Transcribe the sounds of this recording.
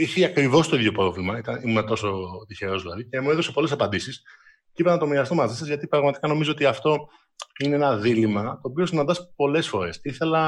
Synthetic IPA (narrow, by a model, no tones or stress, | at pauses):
içiɐkɾivo̞st̪o̞iðʝo̞pɾo̞vlimɐit̪ɐiumet̪o̞so̞t̪içeɾo̞zɐlice̞mueðose̞po̞le̞sɐpɐnd̪isis | ceipenɐt̪o̞miɾɐst̪omɐzisɐzʝɐt̪ipɾɐɣmɐt̪i̥kɐno̞mizo̞ot̪iɐft̪o̞ | ineenɐðilimɐt̪o̞ːpio̞sinɐnd̪ɐspo̞le̞sfo̞ɾe̞siθe̞lɐ